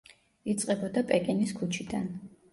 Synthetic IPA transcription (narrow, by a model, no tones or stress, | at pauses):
it̪sʼqʼɛbɔd̪apʼɛkʼiniskʰut͡ʃʰid̪an